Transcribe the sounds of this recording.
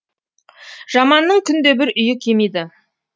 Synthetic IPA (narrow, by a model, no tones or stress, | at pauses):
ʒ̥ɑmɑnːəɴkʲʰʏnd̪e̞bɪɾʔʏjɪkʲʰe̞mejd̪ɪ